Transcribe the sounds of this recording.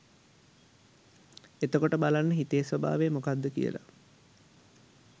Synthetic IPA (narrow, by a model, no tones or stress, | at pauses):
et̪əkoʈəbalanːəɦit̪ejsʋaba̰ːʋeːmokad̪ːəkḭjə̰la̰